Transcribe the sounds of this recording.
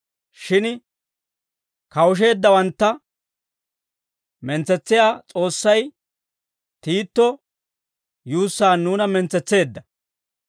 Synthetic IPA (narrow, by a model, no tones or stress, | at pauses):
ʃɪn | kɐwʊʃ̬e̞ːd̪ːɐwɐnt̪ːɐ | mɛnt͡sɛt͡sːɪjaːt͡sʼo̞ːsːɐj | t̪iːt̪ːɔ | juːsːaːnːuːnɐmɛnt͡sɛt͡sːe̞ːd̪ːɐ